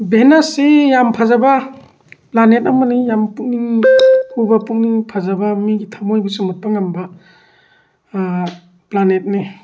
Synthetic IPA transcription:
benasijampʰazabɐ | planetɐmanijampuk̚niŋhubapuk̚niŋpʰazabɐmiɡitʰamojbusumut̚paŋambɐ | planet̚ni

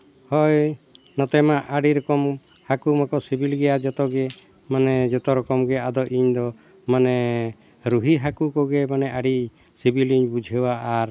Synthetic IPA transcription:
hɔj | nɔt̪ɛmaʔaɽiɾɔkɔm | hakumakɔsibilɡɛjad͡ʒɔt̪ɔɡɛ | manɛd͡ʒɔt̪ɔɾɔkɔmɡɛad̪ɔʔiɲd̪ɔ | manɛ | ɾuɦiɦakukɔɡɛmanɛʔaɽi | sibiliɲbud͡ʒʱewaːɾ

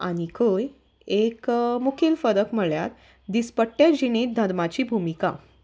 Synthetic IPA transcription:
a̰ɽ̃ikʰoj | ekmukʰiːlfəɾəkm̤əɭja̰t̪ | d̪ispəʈːjad͡ʑiñiːt̪̚d̪ʱəd̪mat͡ɕiːbʱumika̰

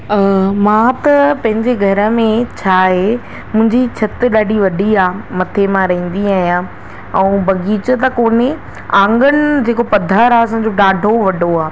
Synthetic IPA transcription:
mãːt̪ɐpɐ̃ɦɪ̃ɲd͡ʑeɡʱɐɾə̆mẽt͡ɕʰaːɦe | mʊ̃ɦɪ̃ɲd͡ʑit͡ɕʰɐt̪ɪɗaːɖiʋɐɖʱiaːmɐt̪ʰemãɾɐɦĩːn̆d̪iaːɦijã | ɛ̃ũbʱɐɡiːt͡ɕət̪̬ɐkoːne | ãːŋɡənɪd͡ʑeːkopɐd̪ʱaːɾaːɐsã̆d͡ʑoɗaːɖʱoʋɐɖʱoaː

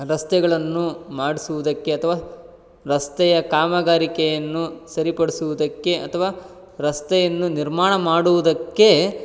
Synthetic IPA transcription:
ɾɐst̪ɛɡɐɭɐnːumaːɽisuʋud̪ɐkːe̞ɐt̪ʰɐʋaː | ɾɐst̪ɛjɐkaːmɐɡaːɾikɛjɐnːusɐɾipɐɽesuʋud̪ɐkːe̞ɐt̪ʰɐʋaː | ɾɐst̪ɛjɐnːuniɾmaːɳɐmaːɽuʋud̪ɐkːe̞

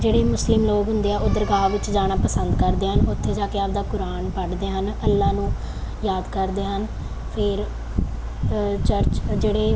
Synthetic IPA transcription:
d͡ʒeːɽeːmʊslɪmloːkɦʊnd̪eːɛːʊd̪əɾɡaːʋɪt͡ʃd͡ʒaːɽ̃aːpəsənd̪kəɾd̪eːɦənʊt̪ʰːeːd͡ʒaːkeaːbd̪aːkʊɾaːɳpəʈd̪eːɦənəlːãːnũː | jaːd̪kəɾd̪eːɦən | pʰɪɾ | t͡ʃəɾt͡ʃd͡ʒeːɽeː

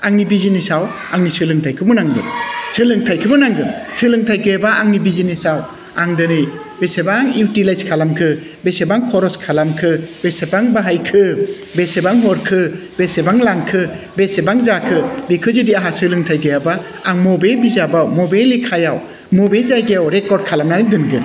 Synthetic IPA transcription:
aŋnibizinisaw | aŋnisɯlɯŋtʰajkʰɯbɯnaŋɡɯ̰nsɯlɯŋtʰajkʰɯbɯnaŋɡɯnsɯlɯŋtʰajɡajabaaŋnibizinisaw | aŋdɯnɯj | besebaŋiwtilajskʰalamkʰɯ | besebaŋkʰɔɾɔskʰalamkʰɯbesebaŋbaɦajkʰɯ | besebaŋɦɔɾkʰɯbesebaŋlaŋkʰɯ | besebaŋzakʰɯbikʰɯzɯdiaɦasɯlɯŋtʰajɡajabaː | ŋmɔbajbizabawmɔbajlikʰajaw | mɔbejzajɡajawɾekɔɾd̚kʰalamnanidɯnɡɯn

